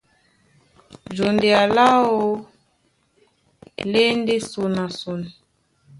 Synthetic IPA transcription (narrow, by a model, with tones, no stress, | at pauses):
d͡ʒo˨nde˨a˨la˦o˦ | le˦n˦de˦so˨na˨so˨n˨